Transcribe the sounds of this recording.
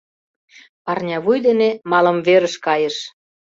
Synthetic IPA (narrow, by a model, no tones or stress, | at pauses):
pɑrnʲɑβujd̪enemɑlə̆mβeɾəʃkɑjəʃ